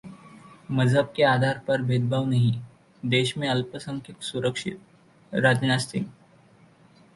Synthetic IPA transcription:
məd͡zʱɦəb̚kead̪ʱaɾpəɾbʱed̪bʱaʋnaɦi | d̪eɕmẽəlpəsəŋkʰit̪suɾəkʂḭt̪̚ | ɾad͡ʑnast̪ḭŋ

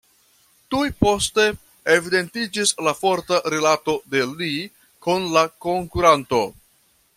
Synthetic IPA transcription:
tujpo̞ste̞ | evide̞ntid͡ʒislafo̞ɾtaɾilato̞de̞li | kunlako̞ŋkuɾanto̞

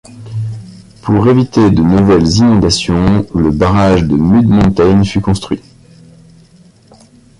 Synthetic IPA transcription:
pʰuʁevit̪ed̪ənuvɛlzinɔ̃d̪asjɔ̃ləbaʁaʒd̪əmyd̪mɔ̃t̪ajnfykɔ̃st̪χɥi

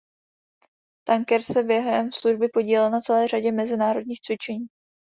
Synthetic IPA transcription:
t̪aŋkɛɾsɛbjɛɦɛmsluʒbɪpo̞ɟiːlɛlnat͡sɛlɛːr̝aɟɛmɛzɪnaːɾo̞dɲiːxt͡svɪt͡ʃɛɲiː

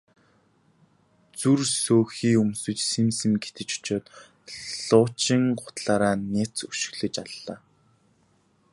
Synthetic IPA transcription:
t͡sursoːxiːɵmsɵ̆t͡ɕsemsɘ̆ŋɡet̪ɘ̆t͡ɕʊ̥t͡ɕoːt̪ | ɮʊːt͡ɕĭŋɢʊ̥t̪ɮaːɾaːnet͡suʃɪ̆ɣɮɘ̆t͡ɕaɮːaː

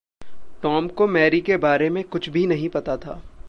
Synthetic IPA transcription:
ʈɔːmkomɛːɾikebaːɾemẽkʊt͡ʃʰbʱinɐɦĩpɐt̪at̪ʰa̰ː

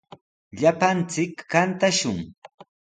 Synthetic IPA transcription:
ʎapant͡sɪkːant̪aʃʊŋ

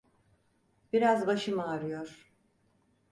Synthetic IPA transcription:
b̥iɾazbaʃɯmaːɾɯjoɾ̥

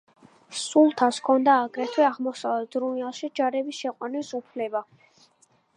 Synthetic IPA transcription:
sulˠt̪ʰaskʰɔnd̪aːɡɾɛt̪ʰwɛaʁmɔsaɛd̪ɾunialˠʃid͡ʒaɾɛbisʃɛqʼwanisupʰlɛba

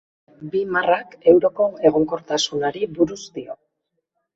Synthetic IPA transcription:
bimarake̞wɾo̞ko̞e̞ɣ̞o̞ŋko̞ɾt̪asunaɾiβuɾuzd̪io̞

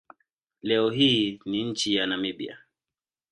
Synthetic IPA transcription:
lɛɔɦiːniɲ̩t͡ʃijanamiɓia̰

